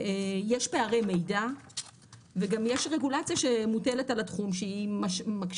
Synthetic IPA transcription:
ejeʃpe̞aʁe̞mejda | veɡamjeʃʁe̞ɡulat͡sijaʃemutele̞talatχumʃeimaʃmakʃ

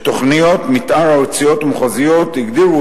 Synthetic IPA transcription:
t̪oχnijo̞t̪mit̪ʔaɾaot͡sijo̞t̪amχazijo̞t̪iɡd̪iʁu

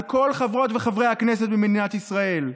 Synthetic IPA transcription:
ko̞lχavʁo̞tveχavʁe̞jhakne̞s̬et̚bemedinat̪isʁae̞l

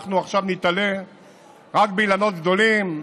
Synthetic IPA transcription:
χnuaχʃavnit̪ale | ʁakbeilano̞t̪ɡ̚d̪o̞lim

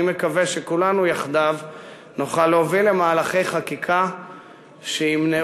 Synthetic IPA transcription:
imekaveʃekulanujaχd̪av | nuχaleovilemaːlaχe̞jχakikʰa | ʃeimne

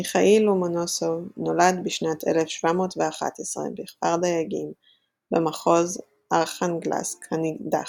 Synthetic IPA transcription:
miχaʔilumonosovno̞ladbiʃnatʰḛlefʃvamo̞ːtveaχa̰tesʁḛbiχpaʁd̪ajaɡim | bemaχo̞z | ʔaʁχanɡla̰skhanida̰

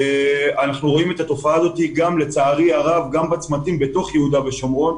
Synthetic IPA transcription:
eanaχnuʁo̞ime̞t̪at̪o̞faaːzo̞t̪iɡamle̞t͡saːʁiaʁavɡambat͡smat̪imbe̞to̞χjehud̪ave̞ʃomo̞n

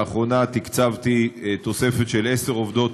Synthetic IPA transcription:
aχʁo̞nat̪ikt͡savt̪it̪o̞se̞fe̞t̪ʃe̞leseʁovd̪o̞t̪

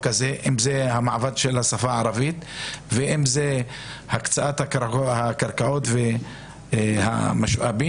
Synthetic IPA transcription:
kazeʔimzehamaʕvad̪ʃelhasafaʕaɾavit̪veʔimze | hakt͡saʔat̪hahakaɾkaot̪ve | ha̰maʃʔa̰bi

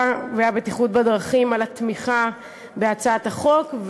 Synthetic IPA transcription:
vajabet̪iχut̪̚bad̪ʁaχimalat̪miχa | beat͡saat̪aχo̞kv

